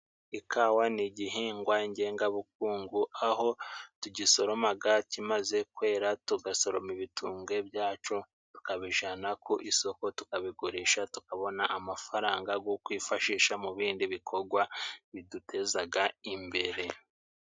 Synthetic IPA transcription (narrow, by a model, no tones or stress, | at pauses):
ikʰaːwaniɟiɦiːŋɡwaiɲɟe̞ːŋɡaβuk̚uːŋɡuʔaɦo̞tuɟiso̞ɾo̞maɡacimaze̞kwe̞ːɾatuɡaso̞ɾo̞miβitʰuːŋɡe̞bjaːt͡ʃo̞ | tu̥kaβiʒanakuʔiso̞ko̞tukaβiɡoɾiːʃatukaβo̞naʔamafaɾaːŋɡaɡokwiːfaʃiːʃamuβiːndiβikʰo̞ɾɡwaβidutʰe̞zaɡaimbe̞ɾe̞